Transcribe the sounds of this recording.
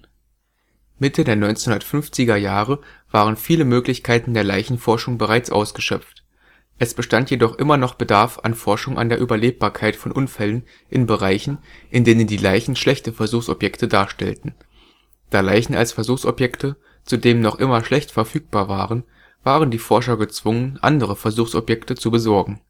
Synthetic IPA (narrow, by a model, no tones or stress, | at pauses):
mɪtʰədeːɐnɔʏnt͡senhʊndɐtfʏnft͡sɪɡɐjaːʁəv̥aːʁ̞ənfiːləmøːklɪçkʰaɪtn̩deːɐlaɪçn̩fɔɐʃʊŋbəʁaɪt͡sʔa̰ʊsɡ̥əʃœpp͡ft | ʔɛsb̥əʃtantjedɔχʔɪmɐnɔχb̥ədaɐfa̰nfɔɐʃʊŋʔa̰ndeːɐʔyːbɐleːp̚b̥aːɐkʰaɪtfɔnʔʊnfɛlən | ʔɪnbəʁaɪçn̩ʔɪndeːnəndiːlaɪçn̩ʃlɛçtəfɛɐzuːxsɔ̰pjɛktʰədaːɐʃtɛ̰ltn̩ | d̥aːlaɪçn̩a̰lsfɛɐzuːxsɔ̰pjɛktʰə | t͡sudeːmnɔχʔɪmɐʃlɛçtfɛɐfyːk̚b̥aːɐvaːʁən | v̥aːʁəndiːfɔɐʃɐɡət͡sv̥ʊŋənʔa̰ndəʁ̞əfɛɐzuːxsɔ̰pjɛktət͡subəzɔɐɡŋ̩